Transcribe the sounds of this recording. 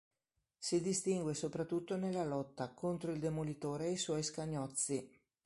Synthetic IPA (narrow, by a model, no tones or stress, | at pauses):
sid̪ist̪iŋɡwesopɾat̪ːut̪ːonelːalɔt̪ːakont̪ɾoild̪emolit̪oːɾejswɔjskaɲːɔt̪sːi